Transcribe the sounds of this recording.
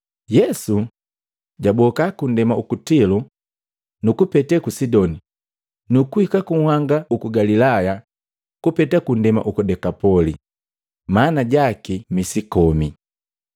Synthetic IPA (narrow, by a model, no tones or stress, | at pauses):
jɛsu | ɟabɔkakun̩dɛmaukutilu | nukupɛtɛkusidɔni | nukuhikakuŋhwaŋɡaukuɡalilaja | kupɛtakundɛma̰ʔukudɛkapɔli | manaɟakimisikɔmi